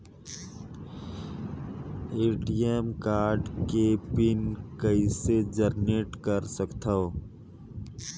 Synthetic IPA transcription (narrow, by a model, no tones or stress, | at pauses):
eːʈijemkaːɾɖkepɪnkəised͡ʒəɾneʈkəɾsəkt̪ʰa